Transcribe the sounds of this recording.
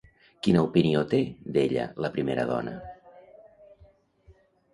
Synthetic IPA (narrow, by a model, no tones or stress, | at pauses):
kinəupiniot̪ed̪eʎə̰ləpɾimeɾəðɔ̰nə̰